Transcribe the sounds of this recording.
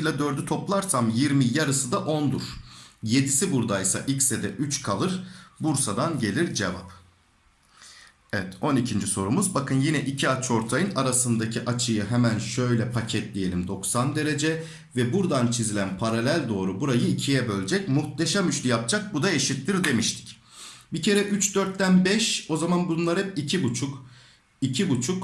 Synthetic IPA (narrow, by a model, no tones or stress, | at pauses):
jlʲˠad̪ø̞ɾd̪yt̪ʰo̞plˠaɾsamjiɾmijaɾɯsɯd̪aʔo̞nd̪uɾ̥je̞d̪isibuɾd̪ajsa̰ʔicsɛd̪ɛʔyt͡ʃkʰalˠɯɾbuɾsad̪anɟe̞lʲiɾd͡ʒe̞vap | ɛvɛt̪o̞nicʰind͡ʒiso̞ɾumuzbakɯnjinɛʔicʰiat͡ʃʰo̞ɾt̪ʰajɯnaɾasɯnd̪acʰiʔat͡ʃʰɯjɯɦɛmænʃø̞jlʲɛpʰacʰɛt̪lʲije̞lʲimd̪o̞ksand̪e̞ɾe̞d͡ʒɛ | vɛbuɾd̪ant͡ʃʰizilʲænpʰaɾalʲælʲd̪o̞ːɾubuɾajɯicʰijɛbølʲd͡ʒɛcmuxt̪eʃamyʃlʲijap̚d͡ʒʰak̚bud̪ae̞ʃit̪ːiɾd̪e̞miʃt̪ʰi̥c | bicʰe̞ɾɛʔyt͡ʃd̪øɾt̪ːænbɛʃo̞zamanbunlˠaɾɛpicʰibut͡ʃʰuk | icʰibut͡ʃʰuk